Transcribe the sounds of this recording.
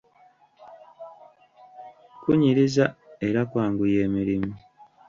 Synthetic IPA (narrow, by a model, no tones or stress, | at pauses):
kuɲiɾizaeɾakwaːŋɡuje̞ːmiɾimu